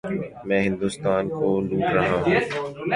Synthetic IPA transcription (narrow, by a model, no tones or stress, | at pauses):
mɛ̃ːɦɪ̃nd̪uːst̪aːnkoːluːʈɾaɦãːɦː